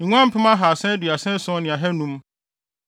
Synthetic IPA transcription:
ŋʷ˦ã˦m̩˦pʰɪ̃˦mã˦ɦa˨sɛ̃˦dɥa˨sɛ̃˦sʊ̃˦nɪ̃˨a˨ɦɛ˦nũ˦m

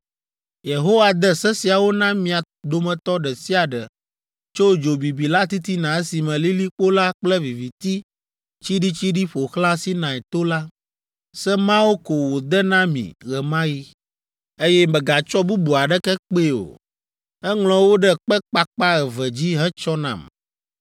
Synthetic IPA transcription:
je˨ɦo˦wa˨d̪ɛ˦sɛ˦si˨a˨wo˦nã˦mĩ˨a˨ | d̪o˨mɛ̃˨t̪ɔ˦ɖɛ˨si˦a˨ɖɛ̰˨ | t͡ʃo˦d͡ʒo˨bi˨bi˨la˦t̪i˦t̪i˦nã˨ɛ˦si˨mɛ̃˨li˦li˦k͡po˦la˦k͡plɛ˦vi˨vi˨t̪i˦ | t͡ɕi˦ɖi˦t͡ɕi˦ɖi˦ɸo˨xlã˦si˦nã˨ɛ˨t̪o˦la˦ | sɛ˦mã˦wo˦ko˨wo˨d̪ɛ˦nã˦mḭ̃˨ɣɛ˨mã˦ji˦ | e˦jɛ˦mɛ̃˨ɡa˨t͡ʃɔ˦bu˦bu˨a˨ɖɛ˦kɛ˦k͡pe˦˨o̰˨ | ɛ˦ŋlɔ̃˨wo˦ɖɛ˦k͡pɛ˦k͡pa˦k͡pa˦ɣɛ˨vɛ˨d͡ʑi˦ɦɛ̃˦t͡ʃɔ˦nã̰˨m

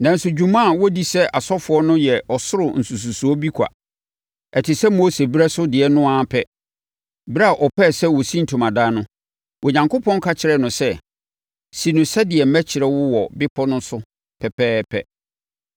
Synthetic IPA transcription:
nã˨n̩˦sʊ˨d͡ʑu˦mã˦˨wɔ˦di˦sɛ˦ʔa˨sɔ˦fʊ˨˦ɔ˦nʊ̃˦jɛ˨ʔɔ˨sʊ˦ɾʊ˨n̩˨su˨s̬u˨su˨ɔ˦bi˦kʰa̰˨ | ɛ˨tʰɪ˨sɛ˦mo˦se˨bɾɛ˦sʊ˦dɪ˨ɛ˨nʊ̃˦a˦pʰɛ˦ | bɪ˦ɾa˦˨ʔɔ˨pʰɛ˦˨sɛ˦wɔ˨sĩ˦n̩˨tʰu˨mã˨daː˦nʊ̃˦ | wʔɔ˨ɲã˨ŋko˦pʰɔ̃˦ŋ˦kʰa˦t͡ɕʰɪ˨ɾɛ˨nʊ̃˨sɛ˦ | si˨nʊ̃˨sɛ˦dɪ˨ɛ˨m̩˦mæ˦t͡ɕʰɪ˨ɾɛ˦wʊ˦wɔ˨bɪ˦pʰɔ˦nʊ̃˦sʊ˦ | pʰɛ˨pɛː˦pʰɛ̰˦

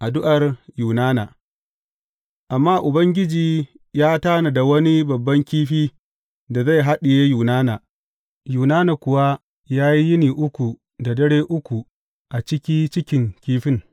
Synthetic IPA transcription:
ʔa˨dʊ˦ʔa˨rjuː˨naː˦na˨ | ʔa˨mːaː˦ʔʊ˨bɐ˦ŋɡʲɪ˦d͡ʒiː˨ | jaː˦taː˦na˨da˨wɐ˦ni˦bɐ˨bːɐ˦ŋkʲiː˦ɸiː˦ | da˨za˦˨jɦa˦ɗɪ˨jeː˦juː˨naː˦naː˨ | juː˨naː˦na˨kʷʊ˨wa˦ | jaː˦ji˦jɪ˦niː˨ʔʊ˦kʷu˨ | da˨dɐ˦ɽeː˦ʔʊ˦kʷu˨ | ʔa˨t͡ʃɪ˦kʲiː˦t͡ʃɪ˦kʲɪ˨ŋkʲiː˦ɸɪ˦ŋ

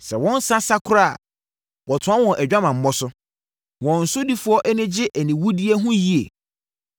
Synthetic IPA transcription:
sɛ˨wɔ̃˦n̩˦sã˦sa˦kʰʊ˦ɾa˦˨ | wɔ˨tʰʊ̃˨˦a˦wɔ̃˨ʔæ˨d͡ʑᶣa˦mã˨m̩˦mɔ˦sʊ˦ | wɔ̃˨n̩˨sʊ˦di˦fʊ˦ɔ˦ʔɛ˦nɪ̃˦d͡ʑɪ˦ʔæ˨nĩ˨wu˦di˦e˦ɦũ˦ji˦ḛ˨

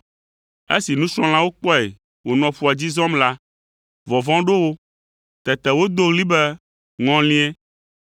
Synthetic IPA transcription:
e˦si˨nũ˦sɾ̃ɔ̃˦l̃ã˦wo˦k͡pɔ˦e˨ | wo˨nɔ̃˨ɸu˦a˨d͡ʑi˦zɔ̃˦mla˦ | vɔ˨vɔ̃˦ɖo˦wo˦ | t̪ɛ˨t̪ɛ˨wo˦d̪o˦ɣli˦bɛ˦ | ŋɔ̃˦lĩ˦ɛ˦

